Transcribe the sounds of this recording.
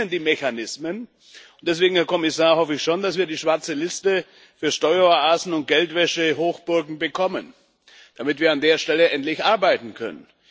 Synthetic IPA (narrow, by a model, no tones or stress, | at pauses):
əndiːmeçanɪsmən | ʊnd̥ɛs̬v̥eːɡŋ̩hɛːɐkʰɔmɪsaːɐhɔfəɪçʃoːndasv̥iːɐdiːʃv̥aɐt͡səlɪstə | fyːɐʃtɔʏɐaːzn̩ʊnt̚ɡ̥ɛltv̥ɛʃəɦoːxb̥ʊɐɡŋ̩bəkʰɔmən | d̥amɪtviːɐandeːɐʃtɛləʔɛntlɪçʔaɐbaɪtn̩kʰœ̰nə̰n